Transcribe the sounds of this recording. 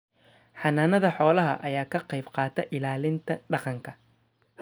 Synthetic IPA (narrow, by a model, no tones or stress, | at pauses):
ħɑnaːnɐðɐħɔːlɐɦɐʔɐjaːkʰɐqɛjbqɑːt̪ʰɛʔɪlaːlɪnt̪ʰɐɖɑqɑŋkʰɐ